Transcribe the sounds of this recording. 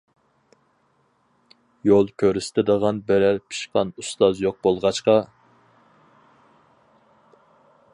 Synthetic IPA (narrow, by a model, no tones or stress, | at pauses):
jolˠkʲʰøɾysɪ̥t̪ʰɪd̪əʁɑnbɛɾæɾpʰi̥ʃqɑnust̪ɑzjoq̚bolˠʁɑt͡ʃqɑ